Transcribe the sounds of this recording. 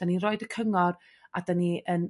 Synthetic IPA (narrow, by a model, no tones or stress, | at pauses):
d̥aniroɨdəkʰəŋɔr | adaniʔən